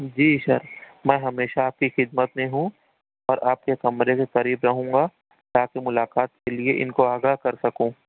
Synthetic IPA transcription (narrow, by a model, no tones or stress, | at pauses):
d͡ʒiːʃɐ̰ɾmɛ̃ːɦɐmeːʃaaːp̚kixɪd̪mət̪mẽɦũ | ɔːɾʔaːp̚kekɐmɾekeqɐɾiːbɾɐɦũːŋɡa | t̪aːkemʊlaːqaːt̪̚kelieʔɪ̰nkoaːɡaːɦkɐɾsɐkũː